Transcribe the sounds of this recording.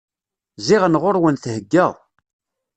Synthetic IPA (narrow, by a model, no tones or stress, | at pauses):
ziʁənʁʊɾwənθhəɡːəʁ